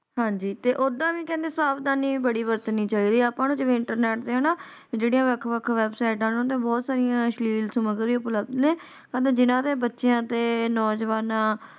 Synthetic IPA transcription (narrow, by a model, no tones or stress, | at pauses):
ɦãːɲd͡ʒiːt̪eːʔoːd̪ãːʋĩːkɛ̃ːnd̪eːsaːbd̪aːniːbəɽiːʋəɾt̪ənːĩːt͡ʃaiːd̪iːaːpãːnũːd͡ʒeʋeːɪɳʈəɾnɛːʈ̚d̪eːɦoːnãː | d͡ʒeːɽijãːʋəkʰʋəkʰʋɛːbsaːɪʈãːnũt̪ẽːbɔːt̪saːɾɪjãːʃliːlsʊməɡəɾiːʊpləb̚d̪nẽː | kəd̪d͡ʒɪnãːt̪eːbətːʃejãːt̪eːnɔːd͡ʒəʋaːnãː